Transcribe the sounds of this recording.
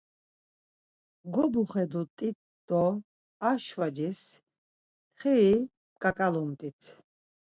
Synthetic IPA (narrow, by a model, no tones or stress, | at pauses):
ɡɔbuχɛd̪ut̪ʼit̪̚ | d̪̥ɔ | aʃvad͡ʒis | t̪χiɾi | kʼakʼalɔmt̪ʼit̪ʰ